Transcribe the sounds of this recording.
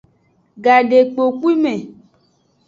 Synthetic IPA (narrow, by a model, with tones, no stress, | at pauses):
ɡa˨ɖe˨k͡po˨k͡pi˦mẽ˨